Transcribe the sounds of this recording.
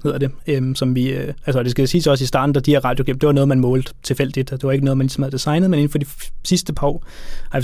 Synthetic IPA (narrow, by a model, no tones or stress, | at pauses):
he̝ð̞̰ˠɐd̥eømsɒ̽mʋiʔælsəɒd̥e̝sɡ̥æsiːsɒ̽sisd̥ɑ̰̈ːd̥n̩d̥ɑ̈d̥ieɐ̰ʁɑ̈d̥jo̝ɡ̥ḛm̥d̥e̝ʋɑ̈nɔːð̩ˠmænmɔ̽ːld̥̩ˠt͡sʰe̝lfel̰d̥id̥d̥e̝ʋɑ̈e̝ɡ̥ənɔːð̞̩ˠmænlisɒmhæð̩ˠd̥isɑ̈ɪnəðˠmene̝n̩fɒdisisd̥əpʰɑɒ̰ːɑ